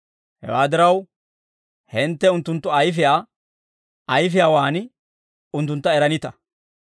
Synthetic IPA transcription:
hɛ̰waːd̪ɪɾɐw | hɪnt̪ːɛʊnt̪ːʊnt̪ːɔɐjfɪjaː | ɐjfɪjaːwaːnɪ | ʊnt̪ːʊnt̪ːɐɛɾɐnɪt̪ɐ

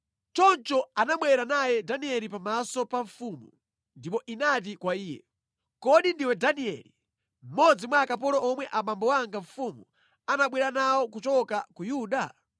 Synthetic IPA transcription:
t͡ʃɔnt͡ʃɔanaɓwɛɾanajɛdaniɛlipamasɔpaɱfumu | ndipɔʔinatikwaiːjɛ̰ | kɔɗindiwɛdaniɛ̰lḭ | m̩mɔd͡zimwaːkap̬ɔɾɔɔmwɛʔamambɔwaŋɡaɱfuːmu | anaɓwɛɾanawɔkut͡ʃɔkakujuːɗa

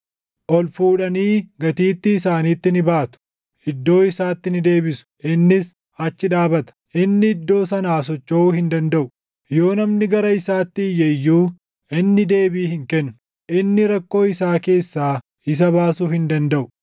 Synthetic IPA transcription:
ʔɔlfuːᶑɐniːɡɐt̪iːt̪ːɪːsaːniːt̪ːɪnɪbaːt̪ʊ̥ | ɪd̪ːo̞ːɪsaːt̪ːɪnɪd̪e̞ːbɪsʊ̥ʔɪnːɪs | ɐt͡ʃːɪᶑaːbɐt̪ɐ̥ʔɪnːɪɪd̪ːo̞ːsɐnaːs̬ɔt͡ʃːoːuːhɪnd̪ɐnd̪ɐʔʊ | jo̞ːnɐmnɪɡɐɾɐɪsaːt̪ːɪjɛjːuː | ʔɪnːɪd̪e̞ːbiːhɪŋkɛnːʊ | ʔɪnːɪɾɐkːo̞ːɪsaːke̞ːsːaː | ɪs̬ɐβaːsuːhɪnd̪ɐnd̪ɐʔʊ

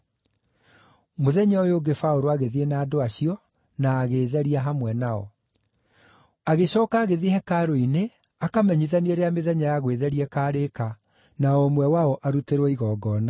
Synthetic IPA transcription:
moðɛɲaɔjoːɡefaoɾoaɣeðienaːdoaɕiɔ | naːɣeːðɛɾiaɦamwɛnaɔ̰ | aɣeɕɔːkaːɣeðehɛkaɾoine | akamɛɲiðanieɾeameðɛɲajaɣweðɛɾiɛkaːɾeka | naɔmwɛwaɔʔaɾuteɾɔiɣɔːɡɔna

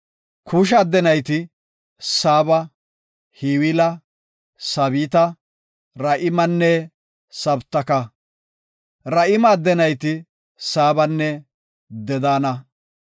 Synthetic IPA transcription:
kʰuːʃ̬ɐːd̪ɛnɐjt̪ɪ | saːbɐ | hiwɪlɐ | sɐβiːt̪ɐ | ɾɐʔɪmɐnːɛ | sɐbt̪ːɐkɐ | ɾɐʔɪmɐːd̪ːɛnɐjt̪ɪ | saːbɐnːɛ | d̪ɛd̪aːnɐ

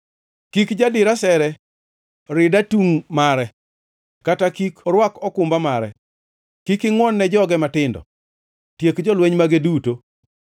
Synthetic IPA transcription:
kikd͡ʒadɪɾasɛɾɛ | ɾɪdatuŋmaɾɛ | katakikɔɾwakɔkʊmbamaɾɛ | kikɪŋwɔnːɛd͡ʒɔɡɛmatɪndɔ̰ | tjekd͡ʒɔlweɲmaɡeduto

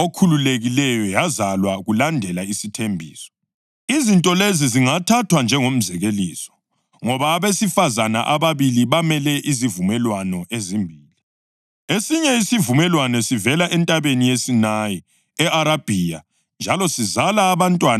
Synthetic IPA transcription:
okʰululeɣilɛjɔjazalwaɣulandʱɛlaisitʰembʱḭːsɔ̥ | izintʼɔleziziŋatʰatʰwand͡ʒʱɛŋom̩zɛɣelḭːsɔ̥ | ŋɔβaːβesifazana̰ʔaβaβiliβamɛlɛʔizivumɛlwanɔʔezimbʱiːli | esiɲɛisivumɛlwanɛsivɛlaʔɛntʼaβenijesinaji | ɛʔaɾab̥ʱija | nd͡ʒʱalɔsizalaːβantʼwan

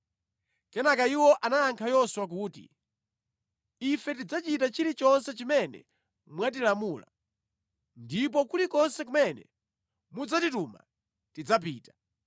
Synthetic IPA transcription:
kɛnakaiwɔʔanajaŋkʰajɔswak̬uːtḭ | ifɛtid͡zat͡ʃitat͡ʃilit͡ʃɔnsɛt͡ʃimɛnɛ̰ | mwat̬ilamuːla̰ | ndip̬ɔkulikɔnsɛk̬umɛnɛ̰ | mud͡zatituma̰ | tid͡zap̬iːtḁ

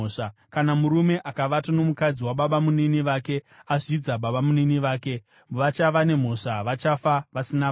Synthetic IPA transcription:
ʂakanamuɾume̞ʔakaʋatano̞mukad͡ziwaɓaɓamuniniʋaːke̞ | aʐid͡zaɓaɓamuniniʋaːke̞ | ʋat͡ʃaʋane̞m̤o̞ʂaʋat͡ʃafaʋasina

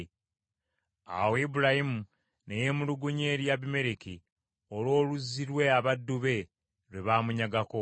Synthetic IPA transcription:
a̰weibuɾahimu | neje̞muluɡuɲe̞ːɾjaβime̞ɾeki | olwo̞ːluzːiɾwe̞aβadːuβe̞ | ɾeβaːmuɲaɡako

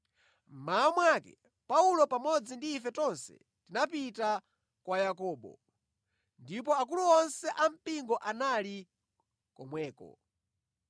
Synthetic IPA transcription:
m̩maamwakɛ̰ | paulɔpamɔd͡zindiːfɛtɔnsɛ̰ | tinapita | kwajakɔːɓɔ̰ | ndipɔak̬uluɔnsɛʔam̩piŋɡɔʔanali | kɔmwɛːkɔ̰

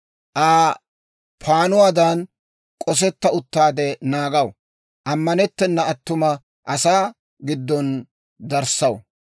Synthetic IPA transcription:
ʔaː | pʰaːnʊwaːd̪ɐn | kʼɔs̬ɛt̪ːɐʊt̪ːaːd̪ɛnaːɡɐw | ʔɐmːɐnɛt̪ːɛnːɐɐt̪ːʊmɐ | ʔɐsaː | ɡɪd̪ːɔn | d̪ɐɾsɐw

